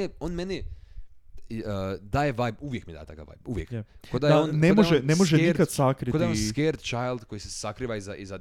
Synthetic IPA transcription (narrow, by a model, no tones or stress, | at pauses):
eonmeni | d̪ajeʋajbuʋjekmid̪a̰et̪aka̰ʋa̰jbuʋjekkod̪ajonnemoeʒenemoʒenikad̪sakɾid̪aeonskeɾt̪t͡ʃajlˠd̪ko̞jisesakɾiːʋaizaʔiza